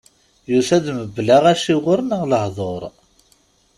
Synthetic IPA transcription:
jusæðməblaʁæʃiʁʊɾnəʁləhðˤoɾˤ

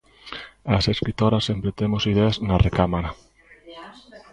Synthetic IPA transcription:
aseskɾit̪oɾasempɾet̪emosiðeaznarekamaɾa

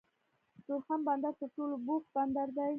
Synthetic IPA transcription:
t̪oxamband̪aɾt̪əɾʈolobok̚band̪aɾd̪aj

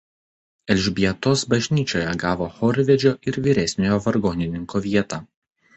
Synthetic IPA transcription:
ɛlʲʒʲbʲiɛt̪osbɐʒʲnʲiːt͡ʃʲoːjɛɡɑːʋoːxɔːɾʲʋʲɛd͡ʒʲoːʔɪɾʋʲiːɾʲɛsʲnʲoːjoːʋɐɾɡoːnʲɪnʲɪŋkoːʋʲiɛt̪ɑː

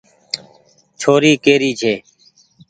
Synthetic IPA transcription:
t͡ʃʰoːɾiːkeːɾiːd͡ʒʱeː

